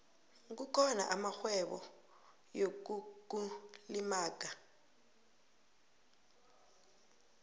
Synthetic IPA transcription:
k̬ukʰɔna̰ʔamaxwɛɓɔ̰ | jok̬uk̬ulimaːk̬a

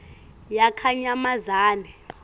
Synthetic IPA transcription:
jakʰaɲamazaːnɛ

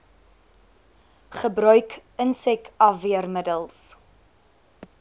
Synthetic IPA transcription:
χəbɾœɥkənsɛkɐviərmədəlˠs

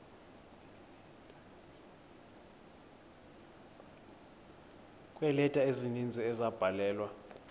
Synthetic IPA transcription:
kʼwɛlɛtʼaezinind͡zʱiɛzab̥ʱalɛːlwa

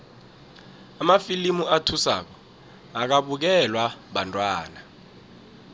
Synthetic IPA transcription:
amafilimuatʰusa̰k̬ɔ | ak̬aɓuk̬ɛlwaɓantʼwaːna

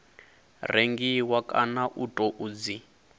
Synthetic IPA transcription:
reŋɡiwakʼa̰naʔutʼɔʔuːd͡zi

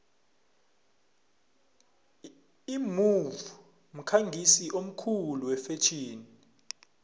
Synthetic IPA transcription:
imuvu | m̩kʰaŋɡʱisiʔom̩kʰuluwɛfet͡ʃʰiːni

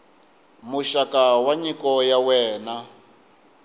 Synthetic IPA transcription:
muʃakawaɲikɔjawɛːna

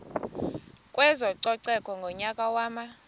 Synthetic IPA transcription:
kʼwɛzɔǀɔǀɛkʼɔŋɡʱɔɲakʼawaːma

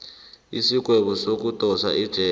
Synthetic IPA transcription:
isik̬ʼwɛɓɔsok̬utʼɔsa̰ʔid̥ʒ̥ʱɛ

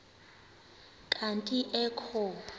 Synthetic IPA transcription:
kʼantʼiʔɛkʰɔːpʰʼa

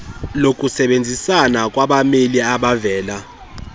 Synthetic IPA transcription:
lokʼusɛɓend͡zʱisanak̬ʼwaɓameliaɓavɛːla

